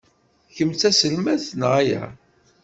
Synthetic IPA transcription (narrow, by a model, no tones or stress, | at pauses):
çəmt͡sːæsəlmæθnʁæjæ̰